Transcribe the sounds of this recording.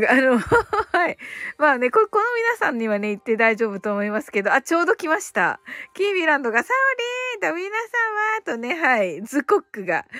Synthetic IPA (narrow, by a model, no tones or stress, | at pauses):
ano̞haimaːne̞koko̞no̞mʲinasãɲ̟ːiβane̞it̪ːe̞d̪aiʑo̞ːbɯ̟t̪o̞ːmo̞imasɨ̥ke̞d̪o̞at͡ɕo̞ːd̪o̞kʲimaɕi̥t̪a̰kʲiːbʲiɾãnd̪o̞ɡasaoɾʲid̪omʲinasãɰ̃βat̪one̞ɦaizɨko̞kːɯ̟ɡa̰